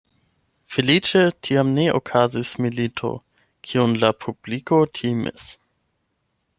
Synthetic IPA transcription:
felit͡ʃetʰiamneʔo̰kʰazismilitʰo̰ | kʰiunlapʰublikotʰimḭs

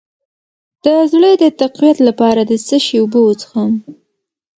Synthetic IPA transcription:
d̪̥əzɽəd̪ət̪aqwijat̪lapɑɾad̪əsəʃeuboot͡sə̥xam

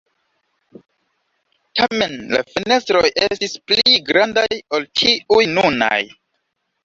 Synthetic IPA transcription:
tame̞nla̰fene̞stɾo̞jʔe̞stispliɡɾandajo̞lt͡ʃiujnuna̰j

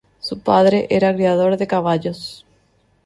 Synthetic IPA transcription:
supaðɾeʔeɾakɾiaðoɾðekaβaʎos

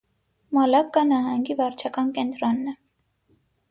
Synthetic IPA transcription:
mɑlɑkːɑnɑɦɑŋɡivɑɾt͡ʃʰɑkɑnkɛnt̪ɾɔnːɛ

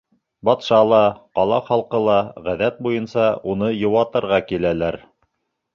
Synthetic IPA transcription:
bɑt̪ʃɑlˠɑqɑlˠɑχɑlˠqɤ̆lˠɑʁæðæt̪̚bujɤnsɑunɤjɤ̆wɑt̪ɤ̆ɾʁɑkilælæɾ

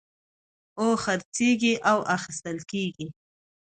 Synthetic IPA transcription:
oxəɾt͡seɡiʔawʔaxɪst̪əlkeɡi

